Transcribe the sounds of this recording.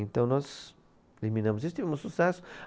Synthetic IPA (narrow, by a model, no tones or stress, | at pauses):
ẽnt̪ɐ̃w̃nɔz | limĩnɐ̃mʊz̬is̬ʊt̪ivɛmʊsusɛsʊ̥